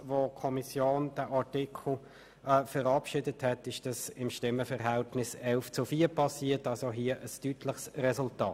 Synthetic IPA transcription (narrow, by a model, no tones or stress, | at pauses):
vokʰɔmisjoːnd̥əʔɑʁtɪkʰl̩ | fəɾɑpʃɪdəthɛtɪʃd̥ɑsɪmʃtɪmːəfɛʁɦɛltnɪsɛlft͡sufiːɐɾpʰɑsiːətɑlsoɦiəʔəstytlɪχsrɛsʊltɑːt